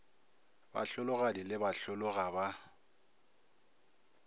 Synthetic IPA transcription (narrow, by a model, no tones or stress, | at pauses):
ba̰ɬʊlʊɣadilɪbaɬʊlʊɣaba